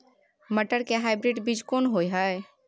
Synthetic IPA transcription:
məʈəɾkeɦaɪbɾiɖbid͡ʒkonɦojɦəj

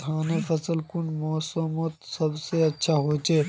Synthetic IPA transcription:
kʰaːnefəsəlkʊɳɖmoːsəmot̪səbseɐtːʃʰaɦoːt͡ʃeː

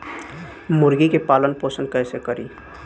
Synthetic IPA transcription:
mʊɾɡikepalənposənkəjsekəɾḭ

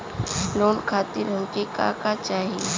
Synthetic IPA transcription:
loːnkʰaːt̪ɪɾɦɐ̃mkeka̰ːkat͡ʃaːɦi

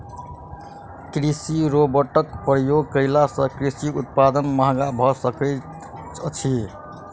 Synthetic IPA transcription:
kɾisiɾobəʈəkpɾjoɡkəɪlasə̃kɾisiut̪̚pad̪ənmaɦɡabʱɔsəkə | t͡ʃʰi

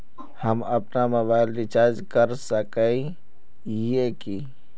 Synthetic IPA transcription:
həməpnaməbaɪlɾit͡ʃaɾd͡ʒkəɾsəkəi | ieki

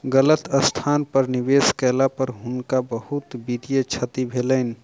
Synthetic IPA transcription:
ɡələt̪əst̪ʰanpəɾniʋeskɛlapəɾɦʊnkabəhut̪bid̪ijət͡ʃʰət̪ibʱelən̆

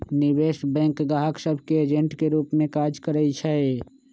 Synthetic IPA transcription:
nɪweːʃbɛ̃ːŋkɡaɦəksəbʱkeeːd͡ʒẽɳʈkeɾuːpmẽkaːd͡ʒkəɾəit͡ʃʰɛe

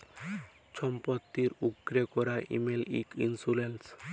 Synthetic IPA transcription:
t͡ɕʰɔmpot̪ːiɾuɡɾekɔɾaʔḭmelḭkinsulens

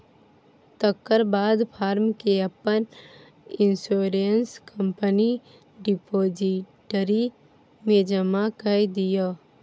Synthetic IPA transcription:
t̪əkːəɾbaːd̪pʰaːɾmkeəpːən | ɪ̃nsoːɾejənskʰəmpəni | ɖipoːd͡ʒiʈəɾi | mẽd͡ʒəmakəjd̪ija

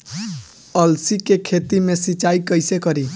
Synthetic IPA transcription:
ʌlsikekʰet̪imesit͡ʃajkʌjsekʌɾi

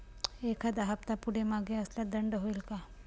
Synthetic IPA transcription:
ekʰad̪aɦapt̪apuɽemaɡeəslad̪əɳɖɦoilka

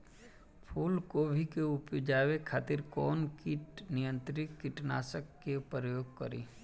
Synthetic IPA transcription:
pʰuːlkobʱikeʊpːd͡ʒaːwekʰaːt̪ɪɾkɔːnkɪʈnɪjə̃nt̪ɾɪkɪʈna̰ːsəkːepɾəjoːɡ̚kəɾḭː

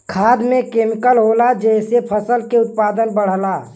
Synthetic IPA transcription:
kʰad̪mekemikəlɦolad͡ʒɛɦsepʰəsəlkeʊt̪̚pad̪ənbəɽ̤əla

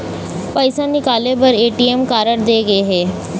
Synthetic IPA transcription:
pəɪsãnɪkaːlebəɾeːʈiemkaːɾəɽd̪eːɡəeɦɛː

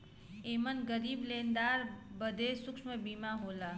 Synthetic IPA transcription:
eːmənɡəɾiːbleːnd̪aːɾbəd̪ʱeːsʊkʃmẽbiːmaɦoːlaː

